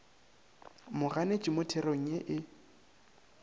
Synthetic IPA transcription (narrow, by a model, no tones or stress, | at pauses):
mʊɣanet͡ʃʼɪmʊtʰɛroŋ̩eʔɪ